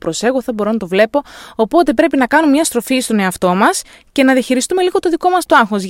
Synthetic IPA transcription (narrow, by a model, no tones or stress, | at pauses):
pɾo̞se̞ɣoθɐbo̞ɾo̞nɐt̪o̞vle̞po̞ːpo̞t̪e̞p̬ɾe̞pinɐkɐnumemɲɐst̪ɾo̞fist̪o̞ne̞ɐft̪o̞mɐs | ce̞nɐðiɐçiɾist̪umeliɣo̞t̪o̞ðiko̞mɐst̪oɐŋxo̞z